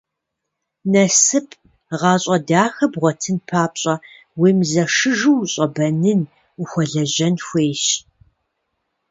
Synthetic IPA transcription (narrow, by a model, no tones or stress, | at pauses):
nɐsɨpʰʼ | ʁɑːɕʼɐdaːxɐbʁʷɔtʰɨnpʰaːpɕʼɐ | weːmzɐʂɨʒuwɕʼɐbɐnɨn | uxʷɔɮɐʑɐnxʷeːʃ